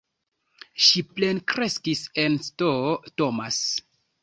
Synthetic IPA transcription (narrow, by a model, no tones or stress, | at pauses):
ʃiple̞nkɾe̞skise̞nstoto̞mas